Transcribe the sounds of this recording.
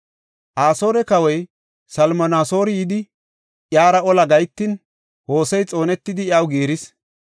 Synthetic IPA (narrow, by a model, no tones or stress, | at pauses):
ʔaːso̞ːɾɛkɐwɔj | sɐlmɔnaːso̞ːɾɪjɪd̪ɪ | ʔjaːɾɐɔlɐɡɐjt̪ːɪn | ho̞ːsɛjt͡sʼo̞ːnɛt̪ːɪd̪ɪjɐwɡeːɾɪs